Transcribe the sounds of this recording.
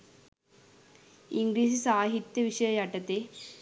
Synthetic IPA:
iŋɡɾiːsisaːɦit̪jɐʋiʂɐjɐjɐʈɐt̪e

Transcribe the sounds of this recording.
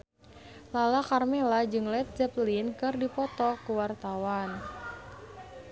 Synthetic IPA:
lalakarmelad͡ʒɨŋlɛt̪̚d͡ʒɛplinkɨrdipɔt̪ɔkuwart̪awan

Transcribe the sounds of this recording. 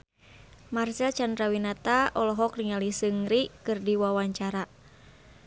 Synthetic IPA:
marsɛlt͡ʃand̪ɾawinat̪aʔɔlɔɦɔkriŋalisɨŋɾikɨrdiwawaɲt͡ʃaɾa

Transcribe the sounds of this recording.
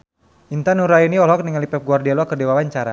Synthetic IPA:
ʔint̪anuɾainiɔlɦɔk̚niŋalipɛp̚ɡuardialwakərdewawaɲt͡ʃaɾa̰

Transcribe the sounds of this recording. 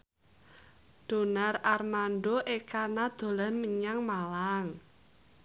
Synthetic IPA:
ɖ̥o̤nararmanɖoʔekanad̪̥o̤lanməɲaŋmalaŋ

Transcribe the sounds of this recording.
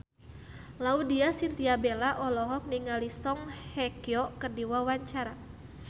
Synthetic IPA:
laudiasint̪iabelaʔɔlɔɦɔk̚niŋalisɔŋhɛkiɔkərdiwawaɲt͡ʃaɾa

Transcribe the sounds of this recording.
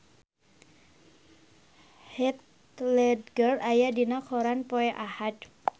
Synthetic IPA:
hɛt̪̚ | lɛdɡərajadinakʰɔɾanpɔɛʔahad̪

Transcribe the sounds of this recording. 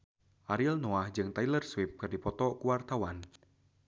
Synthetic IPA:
ʔaɾilnɔahd͡ʒɨŋt̪ailərswip̚kɨrdipɔt̪ɔkuwart̪awan

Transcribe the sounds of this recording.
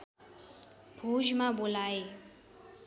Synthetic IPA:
bʱuʒmãbolae

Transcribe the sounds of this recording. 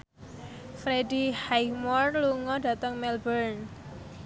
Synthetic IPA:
fɾedihajmɔrluŋɔda̤t̪əŋmɛlbərn

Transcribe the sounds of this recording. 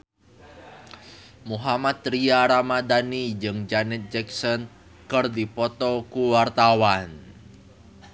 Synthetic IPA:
muɦamat̪̚riaɾamadanid͡ʒɨŋd͡ʒanɪt̪̚d͡ʒɛksɔn | kərdipɔt̪ɔkuwart̪awan

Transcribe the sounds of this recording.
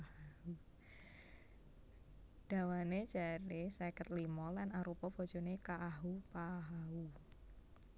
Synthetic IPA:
u | d̥a̤wane̥d͡ʒ̥a̤ɾesekət̪̚limɔlanaɾupɔb̥ɔ̤d̥ʒ̥o̤nekaʔaɦupaɦau

